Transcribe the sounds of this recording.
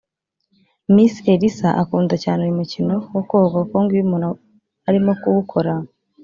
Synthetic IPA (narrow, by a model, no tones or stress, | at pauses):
misieɾisaʔakuːndacaːneɾimucinowokoːɡakoːŋɡiumuna | aɾimo̞kuwukʰoɾa